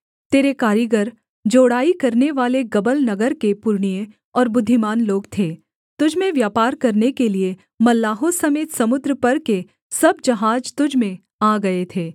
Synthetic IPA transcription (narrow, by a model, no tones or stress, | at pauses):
t̪eːɾekaːɾjəɡəɾ | d͡ʒoːɽaːikɐɾneʋaːleɡɐbəlnɐɡəɾkepʊɾɳ̃ije | ɔːɾbʊd̪ʱːɪmaːnloːɡt̪ʰeː | t̪ʊd͡ʒʱmẽʋjaːpaːɾkɐɾnekelie | mɐlːaːɦosɐmeːt̪sɐmʊd̪ɾəpɐɾke | sɐbd͡ʒɐɦaːd͡ʒt̪ʊd͡ʒʱmẽ | aːɡɐet̪ʰeː